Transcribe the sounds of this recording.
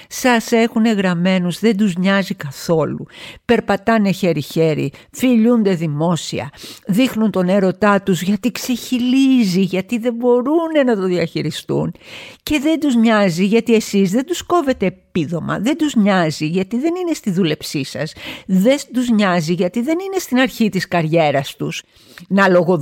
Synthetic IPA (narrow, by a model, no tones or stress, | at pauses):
sɐse̞xune̞ɣɾɐme̞nuzðe̞nd̪uzɲɐzikɐθo̞lṵpe̞ɾpɐt̪ɐne̞çe̞ɾiçe̞ɾḭfiʎund̪e̞ðimo̞sḭɐ̰ðixnunt̪o̞ne̞ɾo̞t̪ɐt̪uzʝɐt̪ikse̞çiliziʝɐt̪iðe̞bo̞ɾune̞nɐt̪o̞ðiɐçiɾist̪ṵnce̞ðe̞nd̪uzɲɐziʝɐt̪ie̞sizðe̞nd̪usko̞ve̞t̪e̞ːpiðo̞mɐ̰ðe̞nd̪uzɲɐziʝɐt̪iðe̞nine̞st̪iðule̞psisɐsðed̪uzɲɐziʝɐt̪iðe̞nine̞st̪inɐɾçit̪iskɐɾʝe̞ɾɐst̪us | nɐlo̞ɣo